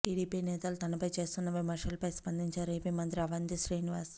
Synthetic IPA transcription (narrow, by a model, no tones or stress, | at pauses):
ʈiːɽiːpiːnɛːt̪ɐlut̪ɐnɐpɐjt͡ʃe̞ːst̪unːɐʋimɐɾʂɐlɐpɐjspɐnd̪iɲt͡ʃaːɾepimɐnt̪ɾiɐʋɐnd̪iʃɾiːniʋaːs